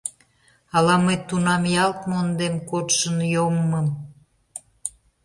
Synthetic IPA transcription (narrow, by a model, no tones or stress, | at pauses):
ɑlɑməjt̪ːunɑmjɑlt̪mond̪emkot̪ʃənjomːəm